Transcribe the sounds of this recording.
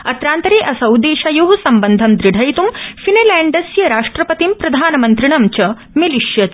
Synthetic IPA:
ɐt̪ɾaːnt̪ɐɾeːʔɐsɐwd̪eːʃajoɦusɐmbɐnd̪ʱɐmd̪ɾiɽʱɐjt̪umfineːlɛːɳɖɐsjɐɾaːʂʈɾɐpɐt̪impɾɐd̪ʱaːnɐmɐnt̪ɾiɳɐmt͡ʃɐ | miliʃjɐt̪

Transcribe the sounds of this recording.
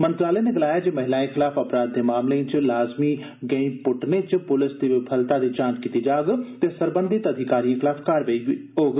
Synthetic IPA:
mənt̪ɾaːleːneːɡəlaːjaːd͡ʒeːməɦɪlaːẽːxʰɪlaːpʰəpɾaːd̪̚ːeːmaːmlẽːt͡ʃlaːzmiː | ɡeĩːpʊʈnẽːt͡ʃpʊlɪsd̪iːʋɪpʰəlt̪aːd̪iːt͡ʃãːnt͡ʃkiːt̪iːd͡ʒaːɡt̪eːsəɾbə̃nd̪it̪əd̪ʱɪkaːɾijãːkʰxɪlaːfkaːɾʋeioːɡ

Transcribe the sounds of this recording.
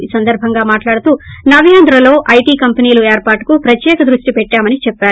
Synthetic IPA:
isɐnd̪ɐɾbʱɐŋɡaːmaːʈlaːɽut̪uːnɐʋijaːnd̪ɾɐlo̞ːʔɐjʈiːkɐmpɐniːlueːɾpaːʈkupɾɐt̪jɛːkɐd̪ɾuʂʈipɛʈːaːmɐnit͡ʃɛpːaːɾ

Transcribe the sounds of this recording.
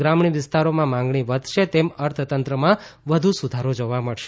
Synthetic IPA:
ɾamɳiʋɪst̪aɾomãmãŋɡɳiʋəd̪ʱʃet̪eməɾt̪ʰt̪ənt̪ɾəmãʋəd̪ʱusud̪ʱaɾod͡ʒoʋaməɽʃe

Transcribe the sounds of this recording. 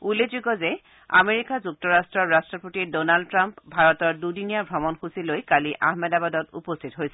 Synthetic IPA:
ulːezuɡɔzɛ | a̰meɹikazuk̚tɔɹastɹɔɹɹastɹɔpotidonaldtɹampbʱaɹɔtɔɹdudinijabʱɔmɔnxusilojkaliʔa̰ɦmɛdabadɔtṵpɔstʰitɦojsɛ

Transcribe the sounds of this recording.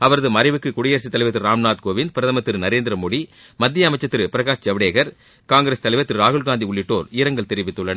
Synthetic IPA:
ɐʋɐɾɐðɯmɐɾɐɪʋɯkːɯkʊɽɪjɐːɾsit̪ɐlɪʋɐt̪ːɪɯɾɾaːmnaːt̪̚koːʋɪnd̪̚pɪɾɐðɐmɐt̪ːɪɾnɐɾeːnd̪ɪɾɐmoːɽi | mɐd̪ːɪjɐɐmɐt͡ʃːɐt̪ːɪɾpɪɾɐɣaːʂd͡ʒɐʋɐɽeːɣɐɾ | kaːŋɡɪɾeːst̪ɐlɐɪʋɐt̪ːɯɾɾaːɣɯɭɡaːnd̪iʊɭːɪʈːoːɾɪɾɐŋɡɐɭt̪ɛɾɪʋɪt̪ːɯɭːɐn

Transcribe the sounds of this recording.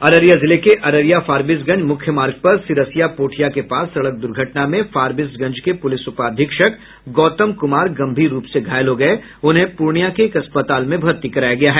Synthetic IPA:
ɐɾəɾjazɪlekeʔɐɾəɾijafaːɾbɪs̬ɡɐ̃ɲd͡ʒmʊkʰjəmaːɾɡ̚pɐɾsɪɾəsijapoːʈʰijakepaːsːɐɽək̚d̪ʊɾɡʱəʈnamẽfaːɾbɪsɡɐ̃ɲd͡ʒkepʊlɪsʊpaːd̪ʱɪkʃək | ɡɔːt̪əmkʊmaːɾɡɐ̃mbʱiɾuːpseɡʱaːjəlɦoɡɐe | ʊnɦẽpuɾɳijakeːkɐspət̪aːlmẽbʱɐɾt̪ikɐɾaːjaɡɐjaɦɛː

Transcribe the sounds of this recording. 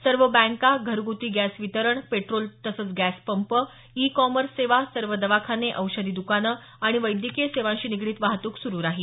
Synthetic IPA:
səɾʋəbæ̃ŋkaɡʱəɾɡut̪iːɡæsʋit̪əɾəɳpeʈɾolt̪əsət͡sɡæspəmpə | ikɔməɾsːeʋasəɾʋəd̪əʋakʰaneʔəwɕəd̪iːd̪ukanə | aɽ̃iʋəjd̪jikeseʋãɕiːniɡɽiːt̪ʋaɦt̪uːksuɾuːɾaɦiː

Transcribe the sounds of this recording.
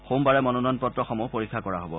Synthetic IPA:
xombaɹɛmɔnɔnɔnpɔtɹɔxɔmupoɹikʰːakɔɹaɦobɔ̰

